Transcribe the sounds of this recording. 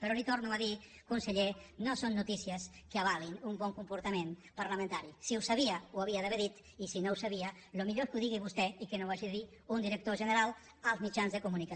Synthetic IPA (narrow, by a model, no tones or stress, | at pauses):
pəɾɔlit̪oɾnuaði | kunsəʎenosonːut̪isiəs | kəaβalinumbɔŋkumpuɾt̪amenpaɾləmə̃nt̪aɾisiusaβiəuaβiaðəβeɾðit̪ | isinouwsaβiə | lumiʎoeskuðiɣiβust̪ɛikənowaʒiðeði | und̪iɾək̚t̪oʒənəɾalˠ | əlˠzmit͡ʃanzðəkumunika